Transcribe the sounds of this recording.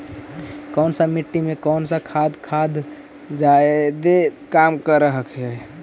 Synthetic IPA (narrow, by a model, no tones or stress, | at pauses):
kɔːnsəmiʈːimekɔnsəkʰad̪kʰad̪ | d͡ʒaed̪ekamkəɾəɦəkɦɛ